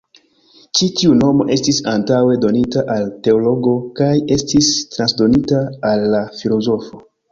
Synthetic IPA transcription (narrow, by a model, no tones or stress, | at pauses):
t͡ʃitiuno̞mo̞̰ʔe̞stisantawe̞do̞nitaʔalte̞olo̞ɡo̞kaje̞stistɾansdo̞nitaːlːafilo̞zo̞fo̞